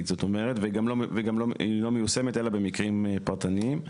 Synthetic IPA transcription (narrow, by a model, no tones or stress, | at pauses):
t̪z̥o̞to̞me̞ʁetveɡamloveɡamloilo̞mejuse̞mete̞labe̞mikʁimpaʁt̪anim